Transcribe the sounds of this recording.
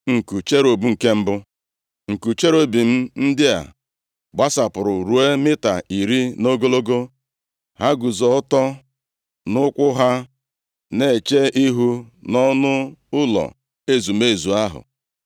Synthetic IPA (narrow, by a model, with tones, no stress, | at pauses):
ŋ̩˨ku˨t͡ʃe˦ɾo˨bu˦ŋ̩˨ke˦m̩˦bʊ˦ | ŋ̩˨ku˨t͡ʃe˦ɾo˦bi˨m̩˦n̩˦dɪ˦a̰˨ | ɡ͡ba˦sa˨pʊ˨ɾʊ˨ɾu˨e˦mɪ˦ta˨i˨ɾi˦no˦ɡo˦lo˦ɡo˦ | ha˦ɡu˨zɔ˨ɔ˦tɔ˦ | nʊ˦kʷʊ˦ɦa˦ | ne˨t͡ʃe˦ʔi˦ɦu˦nɔ˦nʊ˦ʊ˦lɔ̰˨ | e˦zu˨me˦˨zu˨a˦ɦʊ̰˨